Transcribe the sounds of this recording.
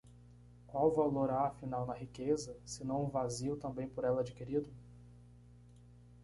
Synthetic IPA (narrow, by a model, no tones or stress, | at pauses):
kwawvaloɾaːfinawnɐɦikezɐsɪnɐ̃w̃ũvaziwt̪ɐ̃mbẽj̃poɾɛlɐad͡ʒikiɾid̪ʊ